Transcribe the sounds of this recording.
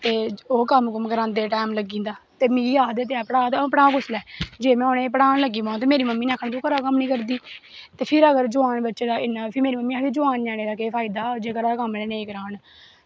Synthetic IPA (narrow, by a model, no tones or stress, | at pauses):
t̪eːoːkəmɦʊkəmkəɾãːnd̪eːʈɛːmləɡĩːnd̪aːt̪eːmĩːiaːd̪eːt̪eaːpəɽaːt̪ːpɽaːkʊslɛːd͡ʒeːmɛ̃ːoːnẽːpəɽaːnləɡiːʋãːt̪̬eːmeːɾiːməmːiːnɛ̃ːkʰɽ̃t̪õːkəɾaːkəmnĩːkəɾd̪iː | t̪eːpʰɪɾəɡəɾd͡ʒʊaːnbətːʃeːd̪aːɪnãːpʰɪɾmeːɾiːməmːiːakiːd͡ʒʊaːnd͡ʒɛːɽeːd̪aːkeːpʰaːid̪aːd͡ʒeːkəɾaːkəmleːnẽikəɾaːn